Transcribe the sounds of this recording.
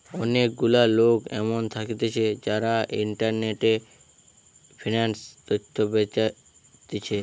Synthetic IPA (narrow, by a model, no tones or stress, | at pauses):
ɔnek̚ɡulalokɛ̰mont̪ʰakit̪et͡ʃʰed͡ʒaɾaʔiɳʈəɾneʈe | pʰinansd̪ɔt̪ʰːobet͡ʃa | t̪et͡ʃʰe